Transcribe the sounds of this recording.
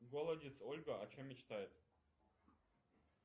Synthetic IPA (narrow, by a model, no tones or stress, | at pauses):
ɡolˠədʲɪt̪solʲɡəɐt͡ɕomʲːɪt͡ɕt̪ajɪt̪